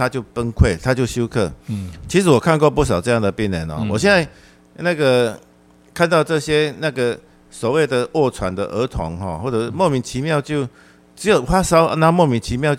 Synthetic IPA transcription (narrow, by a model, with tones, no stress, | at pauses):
a˦˥t͡ɕjo˥˩ʊpə˦nkʰwe˥˩ɪt̪ʰa˦˥t͡ɕjo˥˩ʊɕju˥ʊkʰɤ˥˩t͡ɕʰi˧˥ʂ̬ɨ˨˧˦wɔ˨˩kʰa˥˧nkwɔ˥˧pu˥˩s̬ɑ˨˩ʊʈ͡ʂɤ˥˧ja˥˨ŋd̪ə˩pi˥˩nlə̰˨˦nɔ̰˨˩wɔ˨˩ɕjɛ˥˧nd͡za˥˧ɪ | na˥˩ɡə˨ | kʰa˥˧nt̪ɑ˥˧ʊʈ͡ʂɤ˥˨ɕjɛ˦˥na˥˩ɡə˩ | swɔ˨˩we˥˩ɪd̪ə˨wɔ˥˩t͡sʰwa˨˦nd̪ə̰˨ʔə˧˥˦t̪ʰɔ̰˨˧˦ŋxɔ̰˥˩xwɔ˥˩ʈ͡ʂɤ˨˩mɔ˥˩mi˨˦nt͡ɕʰi˧˦mjɑ˥˧ʊt͡ɕjo˥ʊ | ʈ͡ʂ̩˧˥jo˨˩ʊxwa˥sɑ˥ʊa˧˦na˥˧mwɔ˥˨mi˧˥nt͡ɕʰi˧˦mjɑ˥˧ʊ